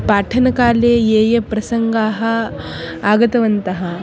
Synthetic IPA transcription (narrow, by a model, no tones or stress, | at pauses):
paːʈʰɐnɐkaːleːeːjɐpɾɐsɐŋɡaːɦɐ̆ | aːɡɐt̪ɐʋɐnt̪ɐɦɐ̆